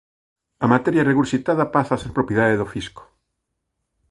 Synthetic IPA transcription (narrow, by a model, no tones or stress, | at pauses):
amat̪eɾjareɣuɾsit̪aðapasaːseɾpɾopjeðaðeðofisko̥